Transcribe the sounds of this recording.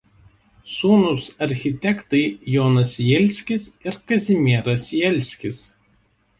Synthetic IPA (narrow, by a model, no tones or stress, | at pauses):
suːnʊsɐɾʲxʲɪt̪ʲɛkt̪ɐɪjɔːnɐsjɛlʲsʲkʲɪsɪɾkɐzʲɪmʲiɛɾɐsjɛlʲsʲkʲɪs